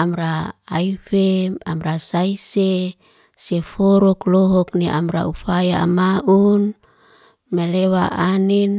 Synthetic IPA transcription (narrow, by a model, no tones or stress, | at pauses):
amɾaːifeamɾasaise | sefɔɾɔklɔɦɔkniʔa̰mɾa̰ufajaa̰maʔun | melewaʔanin